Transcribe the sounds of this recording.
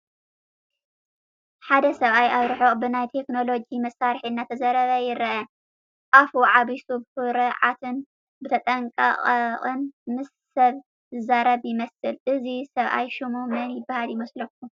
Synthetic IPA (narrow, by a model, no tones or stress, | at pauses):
ħad̪ɐsɐβʔajʔaβɾɨħobɨnajt̪ʰe̞kno̞lo̞d͡ʒimɐsaɾħiɨnːat̪ʰɐzɐɾɐβɐjɪɾʔɐ | afuʕaβisubɨfɨɾɨʕat̪ʰɨn | bɨt̪ʰɐt̪ʼɐŋkʼɐ̰qʼqʼɨnmɨsːɐβ | zɨzaɾɐβjɪmɐsɨlʔɨzisɐβʔa̰jʃumumɐnjɪbːahaljɪmɐslɐk̚ːu